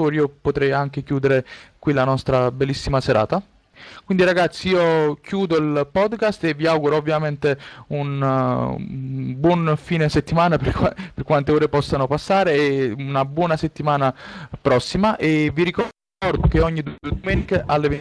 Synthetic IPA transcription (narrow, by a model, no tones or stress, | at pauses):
oɾiːopot̪ɾɛjaŋk̟ekjuːd̪eɾekwilanɔst̪ɾabelːisːimaseɾa̰ːt̪a | kwind̪iɾaɡat̪sːiiːokjuːd̪oilpɔd̪kast̪evːiawɡuɾoovːjament̪eun | bwɔnfiːneset̪ːimaːnapperkwant̪eoːɾepɔsːanopasːaːɾeunabwɔːnaset̪ːimaːnapɾɔsːimaʔeviɾikɔ | ɔɾd̪ok̟eɔɲːid̪ud̪omɛːnikeʔalːeve